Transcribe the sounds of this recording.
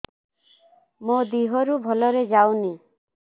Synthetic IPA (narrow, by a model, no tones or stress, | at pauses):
mod̪iɦɔɾubʱɔlɔɾed͡ʒawni